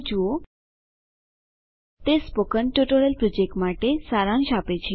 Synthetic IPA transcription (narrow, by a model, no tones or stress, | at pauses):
d͡ʑuo | t̪espokənʈuʈoɾəlpɾɔd͡ʑek̚ʈmaʈesaɾãŋɕapet͡ɕiː